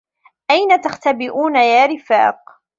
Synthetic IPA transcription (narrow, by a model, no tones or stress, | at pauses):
ʔajnat̪axt̪abɪʔuːnajaːɾɪfa̰ːq